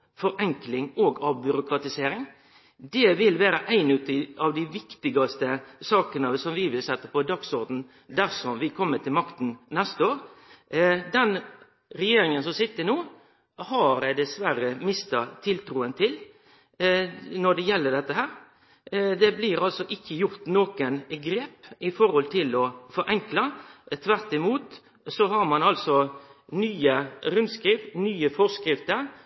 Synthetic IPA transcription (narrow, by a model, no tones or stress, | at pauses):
fɔɾɛŋklɪŋoːɡɑbʏɾʊkɾɑt̪ɪseːɾɪŋ | d̪ɛʋɪlʋæːɾəʔæɪnʉt̪ɪɑʋd̪æɪʋɪkt̪ɪɡɑst̪əsɑːkənəsɔmʋɪʋɪlsɛt̪ːəpʰɔd̪ɑksɔɾd̪n̩ | d̪æɾsɔmʋɪkʰɔmːət̪ʰɪlmɑkt̪n̩nɛst̪əoːɾ | d̪ɛn | ɾɛjeːɾɪŋənsɔmsɪt̪ːənuː | hɑɾd̪ɛsʋæɾəmɪst̪ɑt̪ʰɪlt̪ʰɾuːənt̪ʰɪl | nɔɖ̪ɛjɛlːəɖ̪ɛt̪ːəɦæːɾ | d̪ɛblɪɾɑlsɔʔɪçːəjʊɾt̪noːkənɡɾeːpɪfɔɾhɔlt̪ʰɪlɔfɔɾʔɛŋklɑt̪ʰʋæɾt̪ɪmuːt̪ | sɔɦɑɾmɑnɑlsɔnyːəɾʉnskɾɪfnyːəfɔskɾɪft̪əɾ